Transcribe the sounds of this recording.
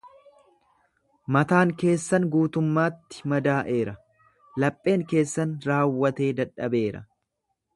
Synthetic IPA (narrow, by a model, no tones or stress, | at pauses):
mɐt̪aːŋke̞ːsːɐnɡuːt̪ʊmːaːt̪ːɪ̥mɐd̪aːʔe̞ːɾɐ | lɐpʼːe̞ːŋke̞ːsːɐnɾaːwːɐt̪e̞ːd̪ɐᶑɐbe̞ːɾɐ̰